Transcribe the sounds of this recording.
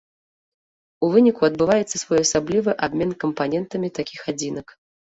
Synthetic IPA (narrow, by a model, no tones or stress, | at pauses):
uvɨnʲikuɐd̪̚bɨvajɛt̪sːɐsvɔjɐsablʲivɨʔabʲmʲɛnkɐmpanʲɛnt̪ɐmʲit̪akʲixad͡zʲinɐk